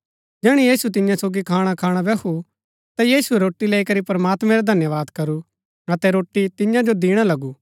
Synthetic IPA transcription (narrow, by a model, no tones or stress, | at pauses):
d͡ʒɛːɽ̃ijiːsut̪ɪjãsoːɡikʰaːɽ̃akʰaːɽ̃abɛːkʰu | t̪ajiːsuɛɾoːʈːileːikɐɾipɐɾmaːt̪mɛ̃ɾad̪ʱɐnjəʋaːd̪kɐɾu | ɐt̪ɛɾoːʈːit̪ɪjãd͡ʒod̪iːɽ̃alɐɡuː